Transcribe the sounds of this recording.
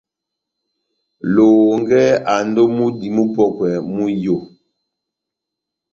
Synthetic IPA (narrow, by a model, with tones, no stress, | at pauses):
lo˨ŋɡɛ˦a˨ndo˦mu˦di˨mu˦pɔ˦˨kwɛ˨mu˦jo˦˨